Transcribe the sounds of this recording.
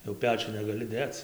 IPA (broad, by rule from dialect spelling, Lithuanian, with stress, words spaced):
jɛʊ ˈpʲæːt͡ʃʲʊn nʲɛɡɐˈlʲɪ ˈdʲeːt͡s